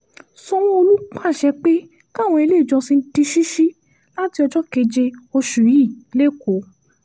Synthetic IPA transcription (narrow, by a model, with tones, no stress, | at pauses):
sɔ̃˧w̃ɔ̃˦o˧lu˦k͡pã˦˨ʃɛ˧k͡pe˦ | ka˦˨w̃ɔ̃˧e˧le˦˨d͡ʒɔ˧si˧n̩˦ti˧ʃi˦ʃi˦ | la˦ti˧ɔ˧d͡ʒɔ˦ke˧d͡ʒe˧o˧ʃu˨˦i˦˨le˦˨ko˨˦